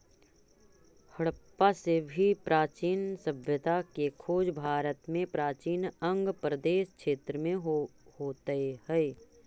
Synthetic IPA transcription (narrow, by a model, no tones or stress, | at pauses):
həɽpasebʱipɾʔaːt͡ʃiːnsəbʱjət̪akekʰoːd͡ʒbʱaːɾət̪mẽpɾaːt͡ʃiːnə̃ŋɡpɾəd̪eːʃkʃeːt̪ɾəmẽɦhoːt̪əehɛː